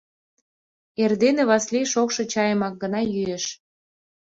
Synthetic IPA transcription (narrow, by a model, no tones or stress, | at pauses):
erd̪eneβɑslejʃokʃɤ̆t͡ɕɑjəmɑk̚ɡə̆nɑjyeʃ